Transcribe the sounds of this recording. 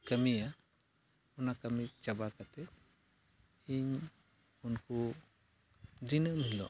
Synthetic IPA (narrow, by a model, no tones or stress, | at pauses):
kəmija | unakamit͡ʃabakat̪ɛ | iɲ | unku | d̪inəmilɔ̰